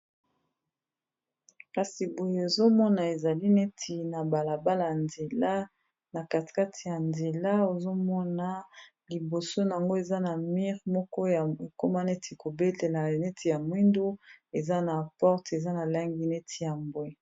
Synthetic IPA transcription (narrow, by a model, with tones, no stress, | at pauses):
ka˨si˨bo˨je˦o˨zo˦mɔ˦na˨e˨za˨li˦ne˦tʰi˨na˨ba˨la˨ba˦la˨a˨nze˨la˦ | na˨ka˨ti̥˨ka˦tʰi˨ja˨nze˨la˦o˨zo˦mɔ˦na˨ | li˨bo˨so˦na˨a˨ŋɡo˦e˨za˦na˨mi˦ʁmɔ˦kɔ˦ja˨e˨ko˦ma˦ne˦tʰi˨ko˨be˦le˨la˨ne˦tʰi˨ja˨mwi˦ndo˦e˨za˦na˨pɔ˦ʁte˨za˦na˨la˦ŋɡi˦ne˦tʰi˨ja˨mbwe˦˨